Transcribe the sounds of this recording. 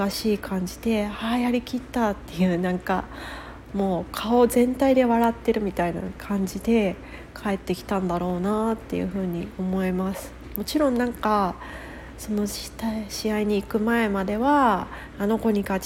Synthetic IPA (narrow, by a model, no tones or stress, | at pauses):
aɕiːkʰãɲ̟d͡ʑid̪̥e̞hajaɾʲikʲit̪ːat̪ːe̞jɯ̟ːnãŋka | mo̞ːkʰao̞zẽ̞nt̪aid̪e̞βaɾat̪ːe̞ɾɯ̟mʲit̪aina̰kʰãɲ̟d͡ʑid̪e̞ | kʰae̞t̪ːe̞kʲi̥t̪ãnd̪aɾo̞ːnat̪ːe̞̰jɯ̟̰ɸɯ̟ːɲ̟io̞mo̞imasɨ̥ | mo̞t͡ɕiɾõ̞nːãŋka | so̞no̞ɕi̥t̪aiɕiaiɲ̟iːkɯ̟mae̞mad̪e̞βaː | no̞ko̞ɲ̟iɡa